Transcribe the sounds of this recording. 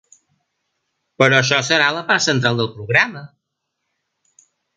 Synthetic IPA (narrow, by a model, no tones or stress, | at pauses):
pəɾɔəʃɔsəɾaləpaɾt̪sənt̪ɾalˠd̪əlˠpɾuɣɾamə